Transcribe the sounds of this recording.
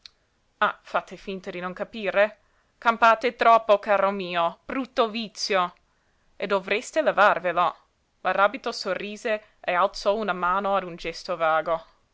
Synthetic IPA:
afat̪ːefint̪ad̪inonkapiːɾe | kampaːt̪et̪ɾɔpːokaːɾomiːob̥ɾut̪ːovit̪sjo | ed̪ovɾest̪elevarvelo | maraːbit̪osorːiːze | ealt̪sɔunamaːnoad̪und͡ʒɛst̪ovaːɡo

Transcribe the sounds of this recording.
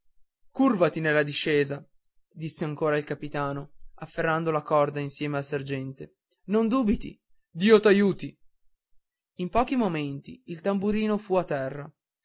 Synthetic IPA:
kurvat̪inelːad̪iʃːeːza | d̪isːeaŋkoːɾailkapit̪aːnoafːerːand̪olakɔrd̪ainsjɛːmealsard͡ʒɛnt̪e | nond̪uːbit̪ḭ | d̪iːot̪ajuːt̪i | impɔːk̟imoment̪ḭːlt̪ambuɾiːnofuat̪ːɛrːa

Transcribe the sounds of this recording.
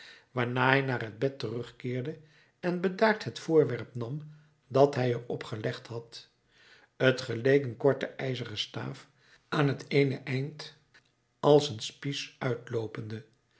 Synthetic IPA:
ʋaːɹnaːɦɛjnaːrɦəd̚bɛtərɵχkɪːɹdə | ɛnbədaːɹtɦətfʊːɹʋɛɹpnɑm | dɑtɦɛjərɔpχəlɛχthɑt | ətχəlejkənkɔɹtəɛjzəʁəsta̰ːf | aːnɦətejnəʔɛjnt | ɑlˠsənspisœɥtlowpəndə

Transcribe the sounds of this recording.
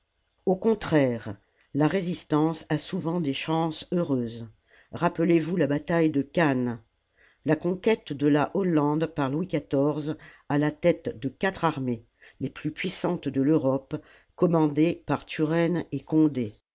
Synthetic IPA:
okɔ̃t̪χɛʁ | laʁezist̪ɑ̃sasuvɑ̃d̪eʃɑ̃søʁøːz | ʁapəlevulabat̪ajd̪əkʲan | lakɔ̃kʲɛt̪d̪əlaʔɔlɑ̃d̪paʁlwikat̪ɔʁz | alat̪ɛt̪d̪əkat̪χaʁme | leplypɥisɑ̃t̪d̪əløʁɔp | kɔmɑ̃d̪epaʁt̪yʁɛnekɔ̃d̪e

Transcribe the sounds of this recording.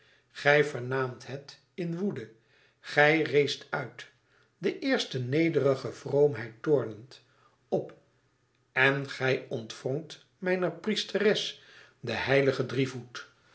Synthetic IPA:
χɛjvəɹnaːmtɦɛt | ɪnʋudə | χɛjrejstœɥt | dəʔɪːɹstənejdərəχəv̥rowmɦɛjtʊːɹnənt | ɔp | ɛnχɛjɔntfɔŋt | mɛjnəɹpristərɛs | dəɦɛjləχədrivut

